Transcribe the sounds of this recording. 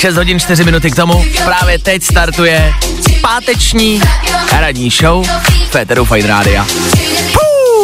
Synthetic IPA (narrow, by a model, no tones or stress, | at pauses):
ʃɛs̬t̪ɦo̞ɟɪnt͡ʃt̪ɪrɪmɪnut̪ɪkt̪o̞mupɾaːvjɛt̪ɛcst̪aɾt̪ujɛspaːt̪ɛt͡ʃɲiːɦɾadɲiːʃowfɛt̪ɛɾufajt̪ɾa̰ːdɪa | pu